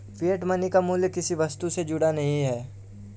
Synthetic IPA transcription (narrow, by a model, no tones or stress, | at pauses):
piəʈmɐnikamuːljəkɪsiʋɐst̪used͡ʒʊɽanɐɦĩɦɛː